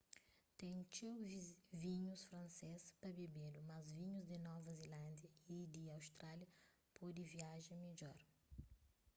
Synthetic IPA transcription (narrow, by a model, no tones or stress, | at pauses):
t̪ẽj̃t͡ʃewvĩɲʊsfɾɐ̃nsespɐbebelʊmɐzvĩɲʊzd̪ɪnɔvɐzelãnd̪jɐid̪ɪawst̪ɾaljɐ | pɔd̪ɪviaʒɐ̃med͡ʒɔɾ